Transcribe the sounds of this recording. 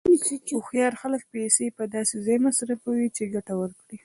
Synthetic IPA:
uxjɑɾxalək̚pesepəd̪ɑsezɑjmasɾafawit͡ʃeɡaʈawəɾkɽi

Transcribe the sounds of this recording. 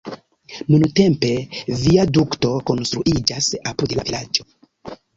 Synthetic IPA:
nunute̞mpe̞viadukto̞ko̞nstɾuʔid͡ʒasapudla̰vilad͡ʒo̞

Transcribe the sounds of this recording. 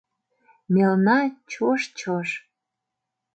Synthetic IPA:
melnɑt͡ɕoʃt͡ɕoʃ

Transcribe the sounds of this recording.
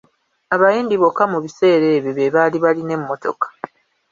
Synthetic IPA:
aβajiːndiβo̞kːamuβise̞ːɾe̞ːβjoβeβaliβaline̞mːo̞to̞̰kḁ

